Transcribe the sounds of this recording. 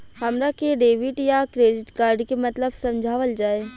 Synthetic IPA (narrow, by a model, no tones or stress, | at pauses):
hɐmɾakeɖeːʋɪʈjakɾeːɖɪʈkaːɾɖkemɐt̪ləbsɐ̃md͡ʒʱaːʋəld͡ʒaːe